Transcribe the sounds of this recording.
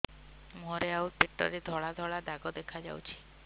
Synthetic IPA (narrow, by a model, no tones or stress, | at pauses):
moɾeawɾpiʈːɔ̰ɾed̪ʱɔɭad̪ʱɔɭad̪aɡɔd̪ekʰad͡ʒa̰wt͡ʃʰi̥